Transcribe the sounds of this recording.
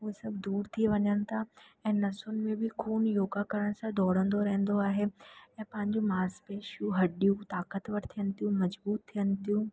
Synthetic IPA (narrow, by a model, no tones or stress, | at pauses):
uɦesɐbʱd̪uːɾt̪ʰieʋɐɲəñɪ̆t̪ʰaɛ̃ːnɐsʊnɪ̆mẽbɪkʰuːnjoːɡakɐɾəɽ̃̆sãd̪ʱɔːɽə̃nd̪oɾɐɦə̃n̆d̪oaːɦeɛ̃ːpɐ̃ɦɪ̃ɲd͡ʑumaːɾspeːʃjuɦɐɗijũt̪aːkət̪ʋɐʈt̪ʰijənɪ̆t̪ʰijũmɐd͡ʑbuːt̪ʰːijənɪ̆t̪ijũː